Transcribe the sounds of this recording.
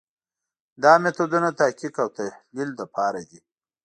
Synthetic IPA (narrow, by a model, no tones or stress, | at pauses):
d̪ɑmet̪od̪unat̪akikawt̪ahlild̪əpʰɑɾad̪i